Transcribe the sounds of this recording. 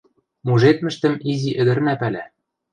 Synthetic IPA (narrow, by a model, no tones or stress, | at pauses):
muʒet̪mɘ̆ʃt̪ɘ̆miziʔɘ̆d̪ɘ̆ɾnæpælæ